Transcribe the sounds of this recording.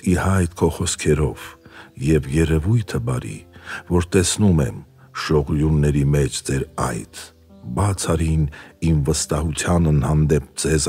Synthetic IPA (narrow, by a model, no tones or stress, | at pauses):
ihɑjt̪̚kʰɔχɔskʰɛɾɔv̥jɛvjɛɾɛvujt̪ʰəbɑɾḭvɔɾt̪ɛsnumɛm | ʃɔʁjunːɛɾimɛt͡ʃʰd͡zɛɾɑ̰jt̪ʰ | bɑt͡sʰɑɾinimvəst̪ɑɦut͡sʰjɑnənhɑnd̪ɛp̚d͡zɛz